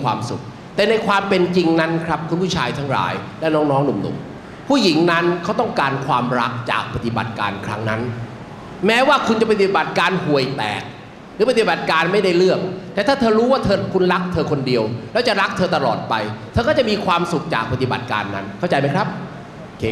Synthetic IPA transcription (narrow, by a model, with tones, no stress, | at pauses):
kʰwa̰ː˧msṵ˨˩k̚ | t̪ɛː˨˩na˧jkʰwaː˧mpe˧nt͡ɕi˧ŋna˦˥nkʰɾa˦˥p̚kʰu˧npʰu˥˩t͡ɕʰaː˧jt̪ʰa˦˥ŋɾa̰ː˩jlɛ˦˥˩nɔː˦˥ŋnɔː˦˥ŋnu˨˩˦mnṵ˨˩˦m | pʰuː˥˩ji˩˦ŋna˦˥nkʰa˦˥wt̪ɔ˥˩ŋkaː˧nkʰwaː˧mɾa˦˥k̚t͡ɕa̰ː˨˩k̚pa˧t̪i˨˩ba̰˨˩t̪̚ka̰ː˧nkʰɾa˦˥ŋna˦˥n | mɛː˦˥waː˥˩kʰu˧nt͡ɕa˨˩pa˧˩t̪i˨˩ba˨˩t̪̚kaː˧nhu˨˩əjt̪ɛ̰ː˨˩k̚ | ɾɯː˦p̬a˧˩t̪i˨˩ba˨˩t̪̚kaː˧nma˥˩jda˥˩jɾɯ˥˩əŋt̪ɛː˨˩t̪ʰaː˥˩t̪ʰɤː˧ɾuː˦˥waː˥˩t̪ʰɤː˧kʰu˧nɾa˦˥k̚t̪ʰɤː˧kʰo˧ndi˧əwlɛː˦˥wt͡ɕa˨˩ɾa˦˥k̚t̪ʰɤː˧t̪a˧lɔ̰ː˨˩t̪̚pa˧jt̪ʰɤː˧kʰa˥˩t͡ɕa˨˩ʔmiː˧kʰwaː˧msu˨˩k̚t͡ɕa̰ː˨˩k̚pa˧t̪i˨˩ba̰˨˩t̪̚ka̰ː˧nːa˦˥nkʰa˥˩wt͡ɕa˧jma˦˥jkʰɾa˦˥p̚ | kʰː